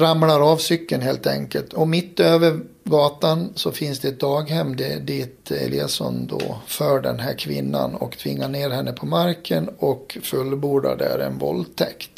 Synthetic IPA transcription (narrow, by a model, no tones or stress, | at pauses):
ɾamlaɾɑːvsʏkːənɦeːlt̪ɛŋkəlt̪ʰɔmɪt̪ːøːvəɾ | ɡɑːt̪ansɔfɪnsd̪ɛɛt̪̚d̪ɑːɡhɛmːd̪ɛd̪iːt̪ɛ̰lɪsɔnd̪o̰ːfœːɖɛnɦæɾkʰvɪnːa̰nɔkt̪ʰvɪŋːaɳeːɾhɛnːəpʰɔmaɾkʰənɔkfɵlːbuːɖa̰ɖæɾɛ̰nvɔlt̪ʰɛkt̪